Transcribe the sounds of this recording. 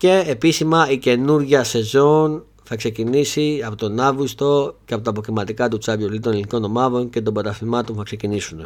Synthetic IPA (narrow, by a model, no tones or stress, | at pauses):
ce̞episimɐice̞nuɾʝɐse̞zo̞n | θɐkse̞cinisiɐpo̞t̪o̞nɐvɣust̪o̞ceɐpo̞t̪ɐːpo̞kimɐt̪ikɐt̪ut͡sɐvjolit̪oneliniko̞no̞mɐðo̞nce̞t̪o̞mbɐt̪ɐθimɐt̪o̞nθɐkse̞cinisune